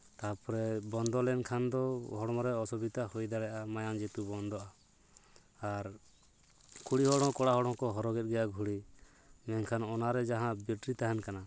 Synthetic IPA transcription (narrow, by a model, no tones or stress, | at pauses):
t̪apɔɾɛbɔnd̪ɔlɛnkʰand̪ɔɦɔɽɔmɔɾɛɔsɔbit̪ahɔjd̪aɽɛʔamajand͡ʒɛt̪ubɔnd̪ɔa | aɾ | kʰuɽiɦɔɽɔ̃kɔɽaɦɔɽɔmkɔɦɔɾɔɡɛt̪̚ɡɛjaɡʱuɽi | mɛŋkʰanɔnaɾɛd͡ʒaɦãbiʈɾit̪aɦɛnkana